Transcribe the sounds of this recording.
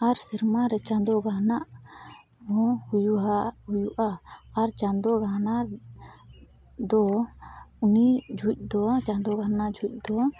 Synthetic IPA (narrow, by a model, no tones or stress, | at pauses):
aɾsɛɾmaɾɛt͡ʃãnd̪ɔɡanaʔ | mɔ̃hujuɦahujuʔaːɾt͡ʃand̪ɔɡana | d̪ɔ | unid͡ʒʱuc̚ˀd̪ɔt͡ʃand̪ɔɡʱanaʔd͡ʒʱuc̚ˀd̪ɔ